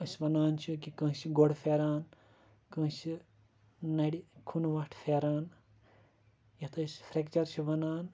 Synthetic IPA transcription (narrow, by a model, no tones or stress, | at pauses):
ɐsʲbɐnaːnt͡ʃʰikikɐ̃ːsʰiɡoɽfʰeːɾaːn | kɨ̃ːt͡ʃʰi | nɐɽikʰunʋɐʈʰfʰeːɾaːn | jɐt̪ʰɐsfʰɾekt͡ʃɐɾt͡ʃʰiʋɐnaːn